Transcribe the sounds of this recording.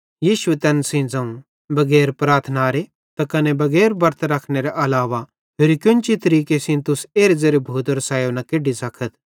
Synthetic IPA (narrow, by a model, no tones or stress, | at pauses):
jiːʃʊet̪ɛːnsɪ̃d͡zɐ̃ũ | bɐɡɛːɾpɾaːɾt̪ʰnaːɾe | t̪akɐnɛbɐɡɛːɾbɐɾt̪ʰɾɐkʰnɛɾɛʔɐlaːʋa | peːɾikjʊ̃nt͡ʃit̪ɐɾiːkesɪ̃nt̪ʊseːɾezɐɾebʱuːd̪əɾsaːjonɐkeɖisɐkʰət̪ʰ